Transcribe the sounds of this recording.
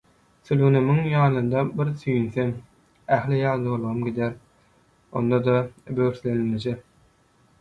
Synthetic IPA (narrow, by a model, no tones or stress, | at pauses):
θyluɣnemyŋjɑːlɯnd̪ɑbiɾθyjynθem | æxlijɑːd̪ulˠuomɡʲid̪eɾ | o̰nd̪ɑd̪ɑbøɾθlelined͡ʒe